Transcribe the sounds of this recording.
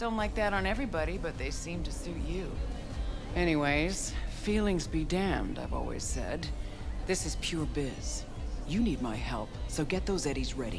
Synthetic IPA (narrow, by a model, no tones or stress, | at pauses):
d̥õʊ̃ntlaɪk̚ðɨɾn̩ɛvɹibɑɾibʌt̪̚ðeɪsĩmtɨsʉt͡ʃʉ | ɛñiweɪz̥filˠɪ̃ŋzbidæ̃mdaɪvɔ̰lˠwḭz̥sɛ̰d̪̚ | ðɪsɨz̥pʰj̥ʊɹbɪz̥ | jɨnid̚maɪhɛ̰lˠpsoʊɡɛt̪̚ðoʊzɛɾizɹɛɾḭ